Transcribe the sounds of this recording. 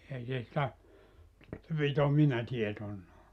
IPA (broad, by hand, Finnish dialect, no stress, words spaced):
ei se sĭtæ se pit ominɑ tietonːɑː